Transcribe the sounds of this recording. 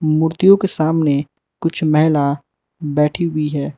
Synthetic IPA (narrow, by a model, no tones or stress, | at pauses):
muːɾt̪ijõkesaːmne | kʊt͡ʃʰmɛɦɪla | bɛːʈʰiɦʊiɦɛː